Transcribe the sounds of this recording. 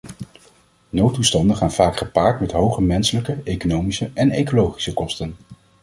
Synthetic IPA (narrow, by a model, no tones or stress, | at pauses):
nowtːustɑndəχaːnv̥aːkχəpaːɹtmɛtɦowχəmɛnsələkəejkonowmisəʔɛnejkolowχi̥səkɔstən